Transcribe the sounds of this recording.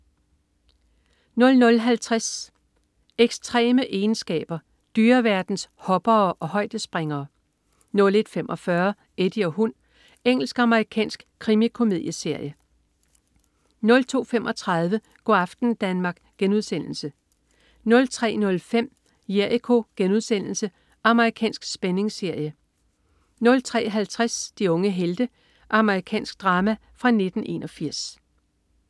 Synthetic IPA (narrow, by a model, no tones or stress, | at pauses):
nɔ̽lnɔ̽lɦælt͡sʰʁas | eɡ̥st͡sʰʁɛ̰ːməʔe̝ːnsɡ̥ɛ̰ːb̥ɐ | d̥yːɐʋæɐd̥n̩shɒ̽b̥ɐːʔɒ̽ɦɒ̽ɪ̰d̥əsb̥ʁeŋɐː | nɔ̽le̝d̥femʔɒ̽fɶɐ | ed̥iɒ̽ɦun | eŋ̰l̩sɡ̥ɑ̈məʁikʰɛ̰ːnsɡ̥kʰʁimikʰo̝mið̰ˠjəse̝ɐ̰jə | nɔ̽lt͡sʰo̝̰ːfemʔɒ̽t͡sʰʁɑ̈ð̞ˠʋə | ɡ̥ɒɑfd̥n̩d̥ænmɑ̈ːɡ̥ɡ̥enuð̞̰ˠsen̰l̩sə | nɔ̽lt͡sʰʁɛ̰ːnɔ̽lfem̰ | jeikʰo̝ɡ̥enuð̞ˠsen̰l̩sə | ʔɑ̈məʁikʰɛ̰ːnsɡ̥sb̥ene̝ŋse̝ɐ̰jə | nɔ̽lt͡sʰʁɛ̰ːʔɦælt͡sʰʁasd̥iɔ̽ŋəɦeld̥ə | ʔɑ̈məʁikʰɛ̰ːnsɡ̥̚d̥ʁɑ̈ːmæ | fʁɑ̈ne̝d̥n̩e̝̰nɒ̽fiɐ̰s